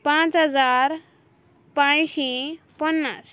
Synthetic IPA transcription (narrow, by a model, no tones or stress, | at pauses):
pãt͡sɦʌd͡zaɾ | pãjsĩ | pʌnːas